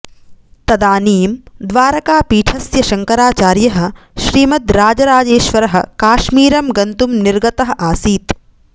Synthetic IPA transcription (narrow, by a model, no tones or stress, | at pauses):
t̪ɐd̪aːniːmd̪ʋaːɾɐkaːpiːʈʰɐsjɐʃɐŋkɐɾaːt͡ʃaːɾjɐɦɐ̆ | ʃɾiːmɐt̪ɾaːd͡ʒɐɾaːd͡ʒeːʃʋɐɾɐɦɐ̰̆kaːʃmiːɾɐmɡɐnt̪umniɾɡɐt̪ɐɦɐ̆ʔaːsiːt̪